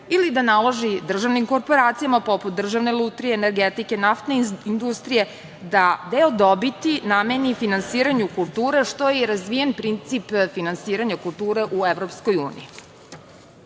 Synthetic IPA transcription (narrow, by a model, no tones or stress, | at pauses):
ilid̪analˠaʒid̪r̩ʒaʋnimko̞ɾpo̞ɾaːt̪sijamapo̞put̪̚d̪r̩ʒaʋne̞lˠut̪ɾieːneɾɡet̪ike̞naft̪neind̪ust̪ɾije̞ | d̪ad̪eod̪o̞bit̪iname̞nifinansiːɾaɲukulˠt̪uːɾe̞ʃt̪o̞jeiɾazʋije̞npɾint̪sipfinansiːɾaɲakulˠt̪uːɾe̞ʔueʋɾo̞pskojṵːnḭji